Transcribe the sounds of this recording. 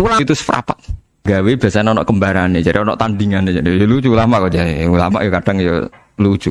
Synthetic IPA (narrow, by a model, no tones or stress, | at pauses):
ulait̪usə̥fɾa̰paʔ | ɡawebiasaɲanɔnɔʔkəmbaɾaned͡ʒaɾiɔnɔ̰ʔt̪and̪iŋaned͡ʒaɾijolud͡ʒulamaʔkod͡ʒaɾḭula̰ma̰ʔjɔkaɖ̥aŋjo̰ | lu̥ʒ̥u